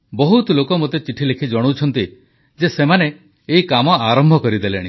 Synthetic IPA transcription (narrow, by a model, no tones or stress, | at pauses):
bɔɦut̪ɔlokɔmot̪et͡ʃiʈʰilekʰid͡ʒɔɽ̃owt͡ʃʰɔnt̪i | d͡ʒesemaneː | ikamɔaɾɔmbʱɔkɔɾid̪eleɽ̃ḭ